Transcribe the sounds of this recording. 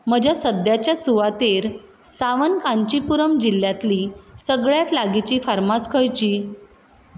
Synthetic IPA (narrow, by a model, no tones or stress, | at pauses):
m̤əd͡ʑʱjasəd̪jat͡ɕjasuʋat̪eɾ | saʋənkãɲt͡ɕipuɾəmd͡ʑilːjat̪liːsəɡɭjat̪laɡit͡ɕiːfaɾmaskʰəjt͡ɕiː